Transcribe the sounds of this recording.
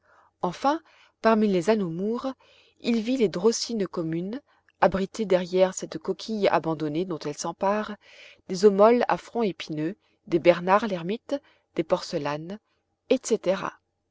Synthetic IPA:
ɑ̃fɛ̃ | paʁmilezanomuʁ | ilviled̪ʁosinkɔmyn | abʁit̪ed̪ɛʁjɛʁsɛt̪kɔkʲʰija̰bɑ̃d̪ɔned̪ɔ̃t̪ɛlsɑ̃paʁ | d̪̥ezomɔla̰fχɔ̃epinø | d̪ebɛʁnaʁlɛʁmit̪ | d̪̥epɔʁsəlan | ɛt̪set̪eʁa̰

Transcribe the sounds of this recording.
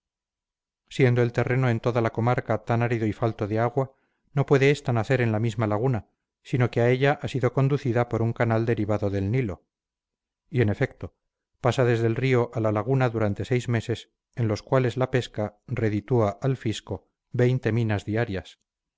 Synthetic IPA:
sje̞nd̪o̞e̞lt̪e̞re̞no̞e̞nt̪o̞ðalako̞maɾkat̪anaɾiðoifalt̪o̞ðeaɣwa | no̞pwe̞ðe̞est̪anaθe̞ɾe̞nlamizmalaɣ̞una | sino̞keaeʎaʔasiðo̞ko̞nd̪uθiðapo̞ɾuŋkanald̪e̞ɾiβaðo̞ðe̞lnilo̞ | ie̞ne̞fe̞kt̪o̞ | pasaðe̞zðe̞lrio̞ʔalalaɣunaðuɾant̪e̞se̞jzme̞se̞s | e̞nlo̞skwale̞zlape̞skare̞ðit̪uaʔalfisko̞ | be̞jnt̪e̞mĩnazðiaɾjas

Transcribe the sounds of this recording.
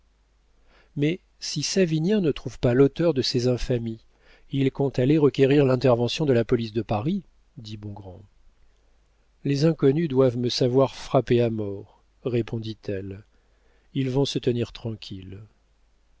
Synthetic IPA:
mɛ | sisavinjɛ̃nət̪χuvpalot̪œʁd̪əsezɛ̃fami | ilkɔ̃t̪aleʁəkʲeʁiʁlɛ̃t̪ɛʁvɑ̃sjɔ̃d̪əlapɔlisd̪əpaʁi | d̪ibɔ̃ɡʁɑ̃ | lezɛ̃kɔnyd̪wavməsavwaʁfχapeamɔʁ | ʁepʰɔ̃d̪it̪ɛl | ilvɔ̃sət̪əniʁt̪χɑ̃kʲʰil

